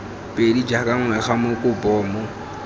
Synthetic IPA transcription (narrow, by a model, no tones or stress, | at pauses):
pʼedid͡ʒakʼaŋwɛχamokʼʊbɔːmʊ